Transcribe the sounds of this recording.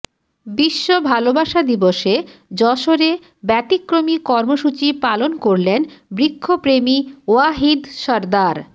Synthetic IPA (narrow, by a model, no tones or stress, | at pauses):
biʃːobʱalobaʃad̪iboʃed͡ʑɔʃoɾe | bɛt̪ikːɾomikɔɾmoʃut͡ɕipalonkoɾlenbɾikʰːopɾemioaɦid̪ʃɔɾd̪aɾ